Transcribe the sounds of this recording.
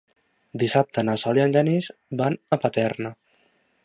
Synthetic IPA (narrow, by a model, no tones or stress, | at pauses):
d̪isap̚t̪ənasɔljanʲd͡ʒanizbanəpət̪ɛɾnə